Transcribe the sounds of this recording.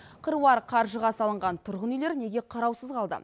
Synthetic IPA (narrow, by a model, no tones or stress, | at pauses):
qʰəɾwɑɾqʰɑɾʒəʁɑsɑlˠəɴʁɑnt̪ʰʊɾʁənijle̞ɾne̞ɡʲe̞qʰɑɾɑwsəzqɑlˠd̪ə̰